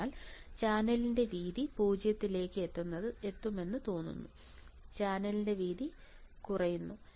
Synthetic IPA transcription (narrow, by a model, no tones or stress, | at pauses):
aːlt͡ɕaːnɐlinde̞ʋiːðipuːd͡ʑjɐt̪ːile̞ːkːɨet̪ːunːɐðɨe̞t̪ːume̞nːɨt̪o̞ːnːṵnːu | t͡ɕaːnɐlinde̞ʋiːði | kurɐjunːu